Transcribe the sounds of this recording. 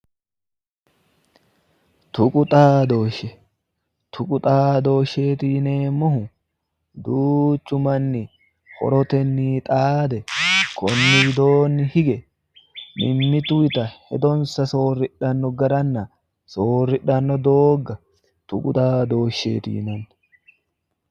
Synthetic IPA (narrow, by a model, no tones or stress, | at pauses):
t̪ʊkʼʊt̪ʼaːd̪o̞ːʃɛ | t̪ʰʊkʼʊt̪ʼaːd̪o̞ːʃːeːt̪iːne̞ːmːɔhʊ | d̪uːt͡ʃːʊmɐnːɪ | hɔ̰ɾɔt̪ɛnːiːt̪ʼaːd̪ɛkɔnːɪd̪o̞ːnːɪhɪɡɛ | mɪmːɪt̪ʊɪt̪ɐhɛd̪ɔnsɐso̞ːrːɪᶑːɐnːɔɡɐɾɐnːɐ | soːrːɪᶑɐnːɔd̪oːɡɐ | t̪ʊkʼʊt̪ʼaːd̪o̞ːʃːḛːt̪ḭːnɛn